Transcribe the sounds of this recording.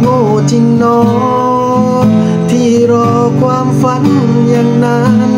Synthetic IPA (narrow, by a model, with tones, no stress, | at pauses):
mo˧˩ | t͡ɕi˧˩ŋnɔ˧˦ | t̪ʰi˧˩ɾɔ˧˩ | kwaː˧˥mfə˧˦n | ɲa˧˩ŋna˧˦